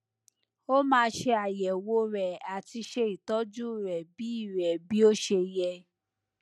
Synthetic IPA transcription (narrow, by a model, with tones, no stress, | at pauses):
o˦mãː˧˦ʃe˧a˨jɛ˨wo˧ɾɛ˨a˨ti˧ʃe˧i˨tɔ˦d͡ʒu˦˨ɾɛ˨bi˨˦i˦˨ɾɛ˨bi˦o˦ʃe˧jɛ˧